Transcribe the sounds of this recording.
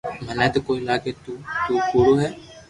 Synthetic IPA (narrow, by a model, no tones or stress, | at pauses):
mənɛːt̪əkoːiːlaːkeːt̪uːt̪uːpuːɽoːɦɛː